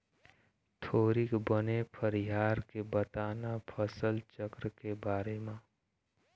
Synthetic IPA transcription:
t̪ʰoːɾikbənepʰəɾiɦaːɾkebət̪aːnapʰəsəlt͡ʃəkɾəkebaːɾemẽ

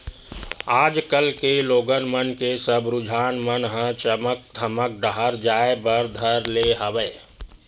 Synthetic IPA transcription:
aːd͡ʒkəlkeloːɡənmənkesəbɾud͡ʒʱaːnmənɦə̃t͡ʃəmək̚d̪ʱəmək̚ɖəɦəɾd͡ʒaebəɾd̪ʱəɾleɦəʋə

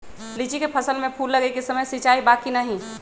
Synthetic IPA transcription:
lit͡ʃikepʰɐsəlmẽpʰuːlːəɡekesɐməjsit͡ʃaːibaːkinəɦĩ

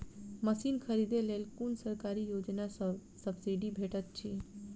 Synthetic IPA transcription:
məsinkʰəɾid̪elelkonsəɾkaɾijod͡ʒnasəbsəbsiɖibʱeʈət̪̚t͡ʃʰi

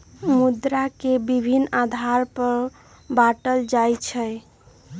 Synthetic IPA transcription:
mud̪ɾakebibʱinːad̪ʱaɾpəɾ | baʈəld͡ʒajt͡ʃʰəj

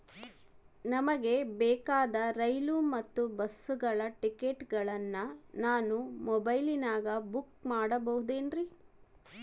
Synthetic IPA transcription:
nɐmɐɡe̞bɛːkaːd̪ɐɾɐjlumɐt̪ːubɐsuɡɐɭɐʈikeʈɡɐɭɐnːɐnaːnumɔbɐjlinaːɡɐbukmaːɽɐbɐɦud̪eːnɾi

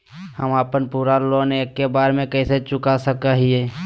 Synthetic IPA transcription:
həmaːpənpuːɾalõnekːebaːɾmẽkɛɪset͡ʃʊkasəkaɦieː

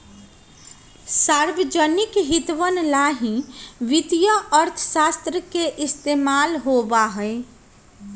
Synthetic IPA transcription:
saɾbəd͡ʒənikɦit̪ʋənlaɦĩʋit̪jəəɾt̪ʰəsast̪ɾəkeʔɪst̪emalɦobaɦəe

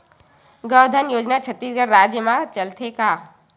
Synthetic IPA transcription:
ɡəʋd̪ʱənjoːd͡ʒnat͡ʃʰət̪isɡəɾɾaːd͡ʒjəmãt͡ʃɐlt̪ʰekaː

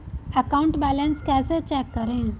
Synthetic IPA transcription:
əkauɳʈbælə̃nskasət͡ɕɛkːəɾẽ

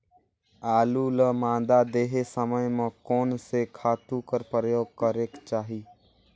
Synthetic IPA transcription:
aːluːləmãːd̪ad̪eːɦesəməjmə̃koːnsekʰaːt̪ũkəɾpɾəjoːɡ̚kəɾeːkt͡ʃaːɦiː

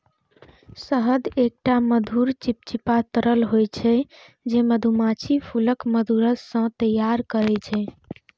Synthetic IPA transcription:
səɦəd̪ek̚ʈaməd̪ʱuɾt͡ʃip̚t͡ʃipat̪əɾəlɦojt͡ʃʰɛ | d͡ʒeməd̪ʱumat͡ʃʰipʰuləkməd̪ʱuɾəssːə̃t̪əjaɾkəɾɛt͡ʃʰɛ

